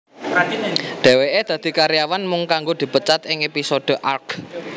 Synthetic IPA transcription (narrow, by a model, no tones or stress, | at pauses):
ɖ̪̥ɛ̤weʔed̪̥ä̤d̪̥i̤kaɾijawanmʊŋkaŋɡod̪̥i̤pət͡ʃat̪ɪŋepisod̪̥o̤ʔark